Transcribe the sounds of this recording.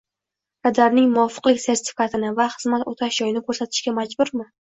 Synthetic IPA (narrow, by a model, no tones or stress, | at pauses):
kad̪aɾnɪŋmʊɒfɨ̥qlˠɪkʲse̞ɾt̪ʰɪ̥fɪkʰat̪ʰɪnɪvaχɨzmat̪ot̪ʰaʃd͡ʒɒjɪnɪkʰɵɾsat̪ʰɪʃkʲamad͡ʒbʊɾmɪ